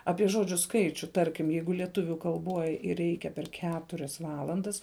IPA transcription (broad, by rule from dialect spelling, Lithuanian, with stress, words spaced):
ˈɑːpʲiɛ ˈʒoːd͡ʒʲʊ ˈskɐɪt͡ʃʲʊ ˈtɐrʲkʲɪm ˈjɛɪɡʊ lʲiɛˈtʊʋʲʊ kɐlˠˈboːj ˈrʲɛɪkʲɛ pʲɛr ˈkʲæːtʊrʲɛs ˈʋɑːlˠɐndɐs